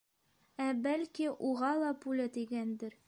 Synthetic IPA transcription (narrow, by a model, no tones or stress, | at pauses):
æbælkiʔuʁɑlˠɑpulʲɘt̪iɡænd̪ɘɾ